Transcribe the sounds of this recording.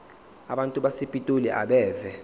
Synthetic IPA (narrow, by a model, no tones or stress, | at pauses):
aɓantʼuɓasipʼitʼuliʔa̰ɓɛːvɛ